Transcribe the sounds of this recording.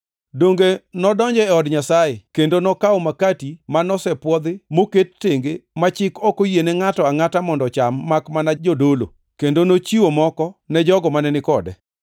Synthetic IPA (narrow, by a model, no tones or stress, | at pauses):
doŋɡenɔdɔɲd͡ʒɛɛɔdɲasaekendonɔkawomakatimanɔsɛpwɔd̪ɪmoketːeŋɡemat͡ʃɪkɔkojenɛŋatɔaŋatamɔndɔt͡ʃamːakmanad͡ʒodolo̰ | kendonot͡ʃiwomɔkɔnɛd͡ʒɔɡɔmanɛnɪkɔdɛ̰